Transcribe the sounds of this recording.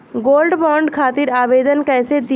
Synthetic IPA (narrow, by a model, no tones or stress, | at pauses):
ɡoːlɖbɔːɳɖkʰaːt̪ɪɾaːʋeːd̪ənkɛːsed̪